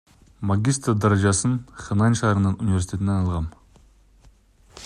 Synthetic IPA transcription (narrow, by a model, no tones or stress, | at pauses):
maɡʲist̪rd̪ɑɾɑʒɑsənχʲenɑnʃɑɾənənunivesit̪ʰʲe̞t̪ɪnenɑlˠʁɑn